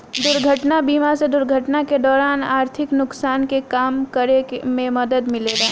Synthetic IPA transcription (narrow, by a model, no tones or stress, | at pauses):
d̪ʊɾɡʱəʈnabiːmased̪ʊɾɡʱəʈnaked̪ɔːɾaːnaːɾt̪ʰɪknʊksaːnkekaːmkəɾemẽmɐd̪əd̪mɪleːɡaː